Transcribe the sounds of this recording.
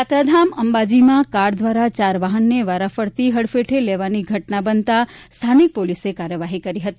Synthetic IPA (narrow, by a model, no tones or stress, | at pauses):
at̪ɾəd̪ʱaməmbad͡ʒimãkaɖd̪ʋaɾat͡ʃaɾʋaɦənːeʋaɾafəɾt̪iɦəɽfeʈʰeleʋaniɡʱəʈnabənt̪a | st̪ʰanik̚polisekaɾjəʋaɦikəɾiɦət̪i